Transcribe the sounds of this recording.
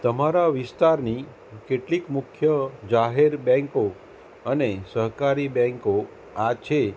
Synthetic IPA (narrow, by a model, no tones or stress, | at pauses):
t̪əmaɾaʋɪst̪aɾni | keʈlikmʊkʰjəd͡ʒaɦeɾbɛ̃ŋko | ənesəɦkaɾibɛ̃ŋko | at͡ʃʰe